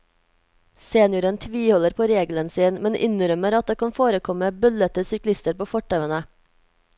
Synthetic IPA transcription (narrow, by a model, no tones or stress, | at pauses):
seːnjʊɾənt̪ʰʋiːhɔləɾpʰoːɾeːɡlənsiːnmɛnʔɪ̰nɾœməɾɑt̪̚d̪eːkɑnfoːɾəkʰɔməbʉlət̪əsʏklɪst̪əɾpoːfɔʈœʋənə